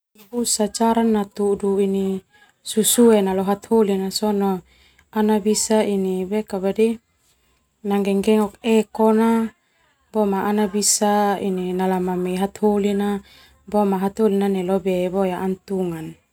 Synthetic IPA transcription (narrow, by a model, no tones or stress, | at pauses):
busat͡ʃaɾanːat̪uduini | susuɛnalɔɦat̪holinasɔnɔ | anabisainibɛkabadi | naŋɡɛŋɡɛŋɔkɛkɔna | bɔmaʔːnabisaḭninalamamɛɦat̪holina | bɔmaɦat̪holinanɛlɔbɛbɔjaʔːnt̪uŋan